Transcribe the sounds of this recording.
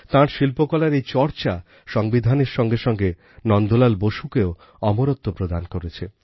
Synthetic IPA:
t̪ãɾʃilpokɔlaɾejt͡ɕɔɾt͡ɕa | ʃɔŋbid̪ʱaneɾʃɔŋɡeʃɔŋɡe | nɔnd̪ʱolalboʃukeo | ɔmoɾot̪ʰːopɾod̪ankoɾet͡ɕʰe

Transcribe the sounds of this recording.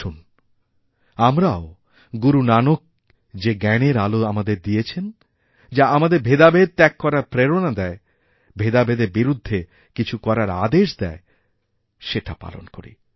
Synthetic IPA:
un | amɾao | ɡuɾunanok̚ | d͡ʑeɡɛneɾaloamad̪eɾd̪iet͡ɕʰen | d͡ʑaamad̪eɾbʱed̪abed̪̚t̪ɛkːɔɾaɾpɾeɾonad̪ɛe | bʱed̪abed̪eɾbiɾud̪ʱːe | kit͡ɕʰukɔɾaɾad̪eʃd̪ɛe | ʃeʈapa̰lo̰nko̰ɾḭ

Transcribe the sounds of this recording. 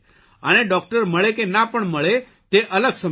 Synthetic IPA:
əneɖɔk̚ʈəɾməɭekenapəɳməɭe | t̪eʔələɡsə

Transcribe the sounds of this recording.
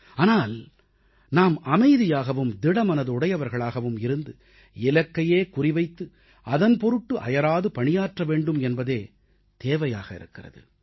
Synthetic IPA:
aːnaːl | naːmɐmɐɪðɪjaːɣɐʋɯmd̪ɪɽɐmɐnɐðɯʊɽɐjɐʋɐɾɣɐɭaːɣɐʋɯmɪɾɯnd̪ɯ | ɪlɐkːɐjeːkʊrɪʋɐɪt̪ːɯ | ʔɐðɐnpɔɾɯʈːɯʔɐ̰jɐɾaːðɯpɐɳɪjaːʈrɐʋeːɳɖɯmɛnbɐðeː | t̪eːʋɐja̰ːɣɐɪ̰ɾɯ̰kːɪrɐ̰ðɯ̰

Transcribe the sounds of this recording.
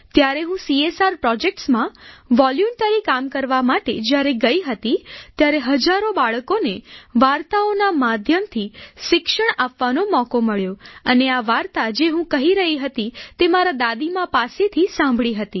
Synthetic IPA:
t̪jaɾeɦũsiesaɾpɾɔd͡ʒek̚ʈsmãʋɔljumʈəɾikamkəɾʋamaʈed͡ʒjaɾeɡəiɦət̪it̪jaɾeɦəd͡ʒaɾobaɭəkoneʋaɾt̪aonamad̪ʱjəmt̪ʰiʃɪkʃəɳapʋanomɔkoməɭjoəneaʋaɾt̪ad͡ʒeɦũkəɦiɾəɦiɦət̪it̪emaɾad̪ad̪imãpaset̪ʰisãmbʱɭiɦət̪i

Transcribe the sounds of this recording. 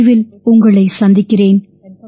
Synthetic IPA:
ʋɪl | ʊŋɡɐɭɐɪsɐnd̪ɪkːɪreːn

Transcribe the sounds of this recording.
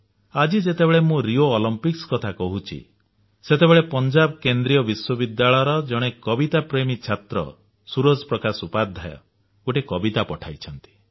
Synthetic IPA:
ad͡ʒid͡ʒet̪ebeɭemũɾioːlɔmpikskɔt̪ʰakɔɦut͡ʃʰḭ | set̪ebeɭepɔnd͡ʒabkend̪ɾijɔbiswɔbid̪jaɭɔjɔɾɔd͡ʒɔɽ̃ekɔbit̪apɾemit͡ʃʰat̪ɾɔ̰ | suɾod͡ʒpɾɔkasupad̪ʱːa̰jɔ̰ | ɡoʈekɔbit̪apɔʈʰajt͡ʃʰɔnt̪i̥

